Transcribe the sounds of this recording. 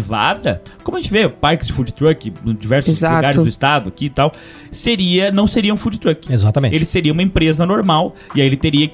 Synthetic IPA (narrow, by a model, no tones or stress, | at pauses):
va̰d̪ɐkõmʊɐʒẽt͡ʃɪvepaɾkɪzd͡ʒɪfud͡ʒɪt̪ɾɐkɪ̃d͡ʒivɛɾsʊzzaɡaɾɪzd̪ʊɪst̪ad̪ʊakit̪aw | seɾiɐnɐ̃w̃seɾiɐũfud͡ʒɪt̪ɾɐkɪezat̪ɐmẽelɪseɾiɐũmɐẽpɾezɐnoɾmaw | ɪaielɪt̪eɾiɐk